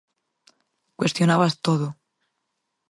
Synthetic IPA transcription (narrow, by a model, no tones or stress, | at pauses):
kwe̞st̪jo̞naβast̪oðo